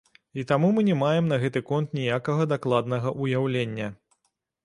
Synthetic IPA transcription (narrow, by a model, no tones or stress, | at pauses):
it̪amumɨnʲɛmajɛmnɐɣɛt̪ɨkɔnt̪nʲijakɐɣɐd̪aklˠad̪nɐɣɐʔujawlʲenʲːɐ